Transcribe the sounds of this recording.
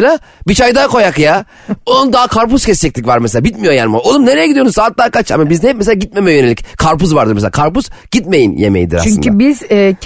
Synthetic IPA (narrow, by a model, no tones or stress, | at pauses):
lʲaːbit͡ʃʰajd̪akʰo̞jakja | onund̪aːkʰaɾpuscɛst͡ʃɛc̚ʲlicʲvaɾmeselʲaːbit̪mijojanimaolˠumne̞ɾejɛɟid̪ionuzsaːt̪̚lˠaːkat͡ʃʰa̰mabizɛɛp̚mes̬elaːɟit̪̚me̞mɛjønelʲickʰaɾpuzvaɾd̪ɯɾmeselaːkʰaɾpuz̥ɟ̥it̪̚me̞jinjḛmejḭd̪iɾa̰t͡ʃyɲybizɛː